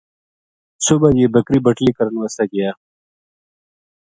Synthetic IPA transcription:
subajebɐkɾibɐʈlikɐɾnwɐsaɡɐjaː

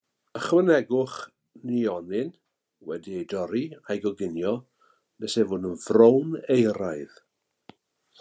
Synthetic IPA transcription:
əχwənɛɡʊχ | niɔnɪn | wɛdiejdɔɾiajɡɔɡɪnjɔ | b̥ɛsɛvʊːdənvrownejɾajð

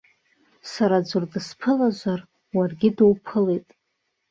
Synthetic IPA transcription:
saɾad͡zʷʊrdɨspʰɨlaʒʷar | warɡʲɪdowpʰɨle̞jtʼ

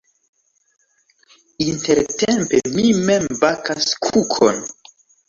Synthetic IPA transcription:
inte̞ɾtempe̞mime̞mbakaskʰukʰo̰n

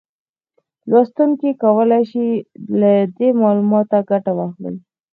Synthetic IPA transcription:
lwɑst̪uŋkikawəlajʃilad̪emɑlumɑt̪aɡaʈawɑxlə̰j

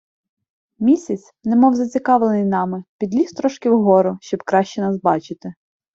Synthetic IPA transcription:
mʲisʲɐt͡sʲnɛmɔwzɐt͡sʲikɑʋlˠenɪjnɑmɪpʲid̪lʲist̪ɾɔʃkʲɪwɦɔɾʊʃt͡ʃɔbkɾɑʃt͡ʃɛnɑsbɑt͡ʃɪt̪ɪ

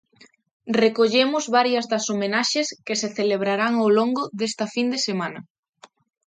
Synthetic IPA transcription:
rekoʎemʊzβaɾjɐzðɐsomenaʃeskeseθeleβ̞ɾaɾaŋowloŋɡoðest̪ɐfind̪esemãnɐ

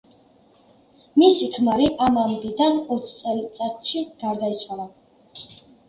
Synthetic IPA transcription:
misikʰmaɾiʔamambid̪anɔt̪sʰt̪sʼɛlt̪sʼat̪ʃiɡ̥aɾd̪ait̪sʰwala

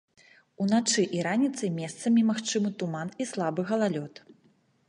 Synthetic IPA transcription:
unat͡ʂɨʔiɾanʲit̪sɐjmʲɛst̪sɐmʲimaxt͡ʂɨmɨt̪umanislˠabɨɣɐlˠalʲɔt̪

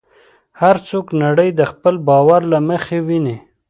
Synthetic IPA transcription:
haɾt͡soknaɽəjd̪əxpəlbɑwaɾlaməxewine

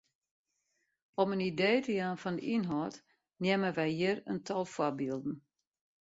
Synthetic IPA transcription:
ɔmənideːtəjaːnfɔndəʔinɦɔːt | njɛməʋɛjjɪərə̰ntʰɔlˠfwɔbiəlˠdn̩

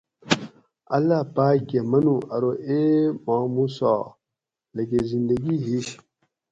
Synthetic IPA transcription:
ɐ̰lːapaːɡemɐnuɐɾoʔemamusɔ̰ | lɐɡezind̪ɐɡiːɦiʃ

